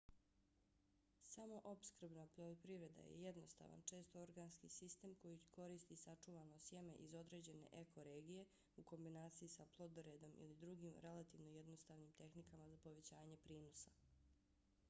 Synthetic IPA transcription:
samo̞ʔo̞pskr̩bnapolopɾiʋɾe̞d̪a̰jḛje̞d̪no̞st̪a̰ʋa̰nt͡ʃe̞ːst̪ooɾɡaːnskisist̪e̞ːmko̞jiko̞ɾiːst̪isat͡ʂuʋanosje̞me̞̰ʔizo̞d̪ɾe̞ːd͡ʑe̞ne̞̰ʔekʰo̞ɾe̞ːɡije̞ | uko̞mbinaːt̪sijisaplˠo̞d̪ɾed̪o̞mḭlid̪ɾuɡiːmɾe̞lat̪iːʋno̞jed̪nost̪aːʋnimt̪e̞xnikamazapo̞ʋe̞t͡ɕaːɲepɾiːnosa

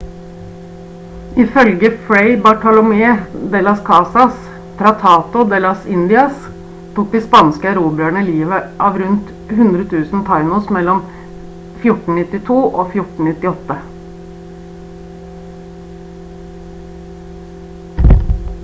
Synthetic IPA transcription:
ɪfœlɡəfɹɛɪbɑʈɑlʊmeːd̪ɛlɑskʰɑːsɑs | t̪ʰɾɑt̪ʰɑːt̪ʊd̪ɛlɑsɪnd̪ɪɑs | t̪ʰuːk̚d̪ɪspɑnskəæɾuːbɪæɳəliːʋəʔɑːʋɾʉnt̪ | hʉnd̪ɾət̪ʰʉːsn̩t̪ʰɑɪnʊsmɛlːɔm | fjʊʈɳ̩nɪt̪ːɪt̪ʰuːʔoːfjʊʈɳ̩nɪt̪ːɪɔt̪ːə

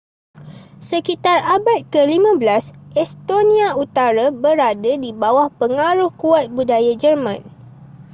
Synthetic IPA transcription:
səkit̪arabat̪̚kəlimãbəlasɛst̪onĩaut̪aɾabəɾadadibawahpəŋaɾʊhkuat̪̚budajad͡ʒərmãn

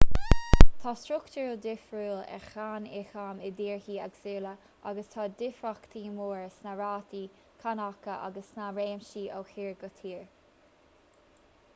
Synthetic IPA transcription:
t̪ʰɑːstɹʊktəɹəd̪ɪfɹuːlɛ̰xanɪ̰xamɪd̪iːɹhiːaɡsiːlə | ʔaɡəst̪ʰɑːd̪ɪfɹakt̪ʰiːmuːɹsnaɹaːt̪iː | kʰanakəʔa̰ɡəsnaɹeːmʃiːʔowxiːɹɡət̪ʰiːɹ

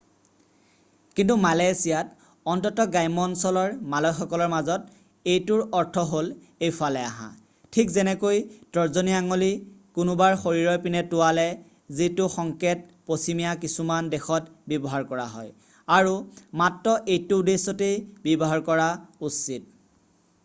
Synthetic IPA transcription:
kintumalajsijat | ɔntɔtɔɡajmɔnsɔlɔɹmalɔjxɔkɔlɔɹmazɔt | ejtʊɹɔɹtʰɔɦol | ejfʰalɛaɦã̰ | tʰikzɛnɛkojtɔɹzoniaŋolikʊnubaɹxoɹiɹɔjpinɛtʊwalɛ | zitʊxɔŋket̚ | posimijakisumandɛxɔtbɔbɔɦaɹkɔɹa̰ɦɔ̰j | aɹumatɹɔʔejtʊdesɔtejbɔbɔɦaɹkɔɹausit̚

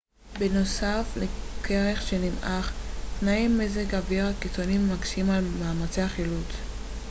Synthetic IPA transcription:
beno̞saflekʰeʁeχʃenimʔaχtnaimːezekaviʁhakit͡so̞nimːaɡʃimalmaːmat͡seaχilut͡s

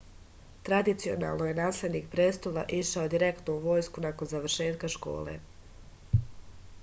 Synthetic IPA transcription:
t̪ɾad̪it̪sio̞̰na̰ːlˠnoje̞naːslʲed̪niːk̚pɾeːst̪olˠaʔiʃaod̪iɾe̞kt̪nouʋo̞ːjskunako̞nzaʋr̩ʃe̞ːt̪kaʃko̞̰ːlḛ

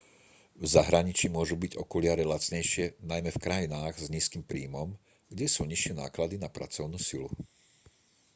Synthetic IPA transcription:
vzaɦɾaɲit͡ʃimʊɔʒubiɟɔ̰kulɪaɾɛlat͡sɲɛjʃɪɛnajmɛfkɾajinaːɣzɲiːskimpɾiːmɔm | ɡɟɛsuːɲiʃɪɛna̰ːklad̪inapɾa̰t͡sɔʊnuːsilṵ

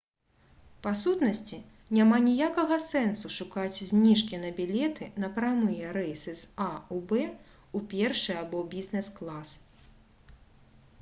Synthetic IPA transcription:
pasut̪nɐsʲt͡sʲi | nʲamanʲijakɐɣɐsɛnsuʂukat͡sʲzʲnʲiʂkʲinɐbʲilʲɛt̪ɨnɐpɾamɨjɛɾɛjsɨsaubɛ | upʲɛrʂɨjabɔbʲiznɛsklˠas

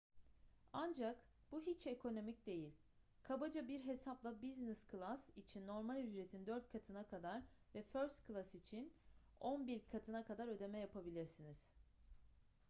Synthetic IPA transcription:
and͡ʒak | b̥uɦit͡ʃe̞kʰo̞no̞mic̚d̪e̞jilʲ | kʰabad͡ʒabiɾɦe̞saplˠabizniskʰlˠasit͡ʃʰinːo̞ɾmalʲyd͡ʒɾe̞t̪ʰind̪øɾt̪̚kʰat̪ʰɯnakʰad̪aɾ | vɛføɾst̪kʰɯlˠasit͡ʃʰin | o̞nbiɾkʰat̪ʰɯnakʰad̪aɾø̞d̪e̞mɛjapʰabilʲiɾsiniz̥

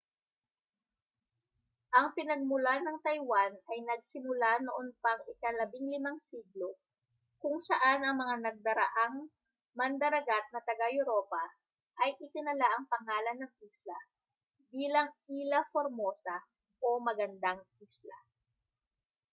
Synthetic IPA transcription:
ʔɐŋpɪnɐɡ̚mʊlanɐŋt̪ɐjwanɐjnɐɡ̚sɪmʊlanoʔonpɐŋʔɪkɐlɐbiŋlɪmaŋsiɡlo̞ | kʊŋsɐʔanɐŋmɐŋanɐɡ̚d̪ɐɾɐʔaŋ | mɐnd̪ɐɾɐɡat̪̚nɐt̪ɐɡajʊɾo̞pɐ | ʔɐjʔɪt̪ɪnɐlaʔɐŋpɐŋaːlɐnːɐŋʔislɐ | biːlɐŋiːlɐfoɾmo̞ːsɐ | ʔomɐɡɐnd̪aŋʔislɐ̰

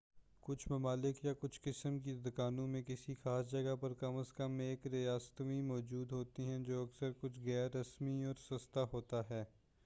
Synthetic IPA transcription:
kʊt͡ʃʰmɐmaːlɪkjakʊt͡ʃʰkɪsəmk̬id̪ɐkaːnõmẽkɪsixaːsd͡ʒɐɡapɐɾkɐməskəmeːkɾijaːst̪ĩmɔːd͡ʒuːd̪ɦoːt̪iɦɛ̃d͡ʒoːɐksəɾkʊt͡ʃʰɣɛːɾːɐsmiɔːɾsɐst̪aɦoːt̪aɦɛː

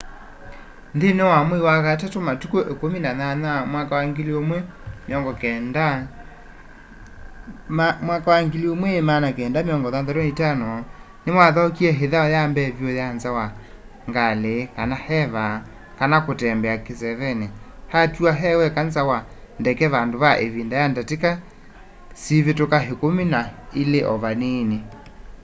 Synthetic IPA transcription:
ndenewamoiwaɣatatomatukoʔekominananamwakawaŋɡeliomwɛmeɔŋɡɔkɛnda | amwakawaŋɡeliomwɛmanakɛːndameɔŋɡɔðanðɛɾɔitanɔ | nemwaðɔkiɛɦeðaɔjambɛvjojanzawa | ŋɡalekanahɛβa | kanakotɛmbɛakesɛβɛnɛhatuaɦɛwɛkanzawa | ndɛkɛβandoβaʔeβindajandateka | siβetokaɦekominaileʔɔβanene

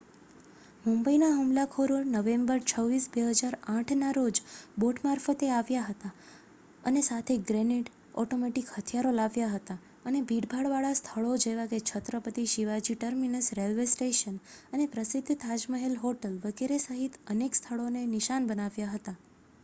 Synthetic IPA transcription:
mumbəinaɦumlakʰoɾoɾnəʋembəɾt͡ʃʰəʋːisbeɦəd͡ʒaɾãʈʰnaɾod͡ʒboʈmaɾfət̪eaʋjaɦət̪a | ənesat̪ʰeɡɾeniʈ | ɔ̰ʈomeʈikhət̪ʰjaɾolaʋjaɦət̪a | ənebʱiɽbʱaɭʋaɭast̪ʰəɭod͡ʒeʋaɡet͡ʃʰət̪ɾəpət̪iʃiʋad͡ʒiʈəɾminəsɾelʋesʈeʃənənepɾəsɪd̪ʱːt̪ʰad͡ʒməɦelɦoʈəlʋəɡeɾesəɦit̪ənekst̪ʰəɭoneniʃanbənaʋjaɦət̪a

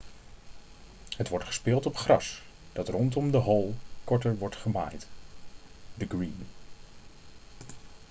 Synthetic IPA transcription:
ɦətʋɔɹtχə̥spɪːlˠtɔpχrɑs | d̥ɑtrɔntɔmdəɦɔlˠkɔɹtəɹʋɔɹtχəma̰ːjt | dəɡɹiːn

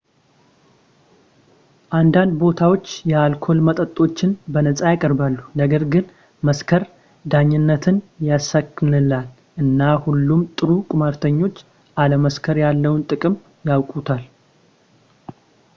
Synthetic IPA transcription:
ʔand̪and̪bo̞t̪ʰawo̞t͡ʃːjɛalkʰo̞lmət̪ʼət̪ʼːo̞t͡ʃːɪnbənəsʼajakʼəɾbalːunəɡəɾɡɨn | məskʰəɾ | d̪aɲːɪnːət̪ʰɨnjasːakːɨnɨlal | ʔɨnːahulːumt̪ʼɨɾukʼɨmaɾt̪ʰəɲːo̞t͡ʃː | ʔaləməskʰəɾjalːəwnt̪ʼɨkʼɨm | jawkʼut̪ʰal

